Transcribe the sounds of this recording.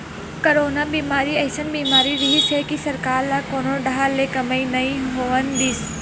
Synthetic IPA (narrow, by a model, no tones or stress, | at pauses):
koɾoːnabiːmaːɾiɛːsənbiːmaːɾiɾiɦisekisɐɾkaːɾlakoːnoɖaɦaɾlekɐməinɐĩɦoːənd̪iːs